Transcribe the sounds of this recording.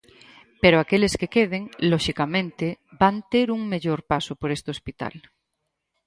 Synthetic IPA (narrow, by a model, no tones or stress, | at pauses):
peɾoakeleskekeð̞eŋloʃikamẽnt̪ebant̪eɾuŋmeʎoɾpasopoɾest̪eospit̪a̰l